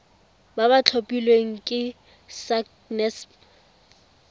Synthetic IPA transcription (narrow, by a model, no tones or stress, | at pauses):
baβat͡ɬʰopʼilweŋ̩kʼɪ | sak | nɛsp